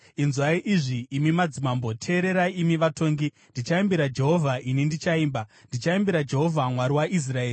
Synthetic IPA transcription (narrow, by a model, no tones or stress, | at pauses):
inzwaiʔiʐiːmimad͡zimambo̞tʰe̞ːɾe̞ɾaimiʋato̞ːŋɡi | ndit͡ʃaimbiɾad͡ʒe̞ɦo̞vʱaʔinindit͡ʃaiːmbandit͡ʃaimbeɾad͡ʒe̞ɦo̞vʱamwaɾiwaʔis̬raeːi